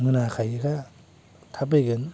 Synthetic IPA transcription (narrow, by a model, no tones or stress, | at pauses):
ŋɯnakʰajɯkʰa | tʰap̬ejɡɯn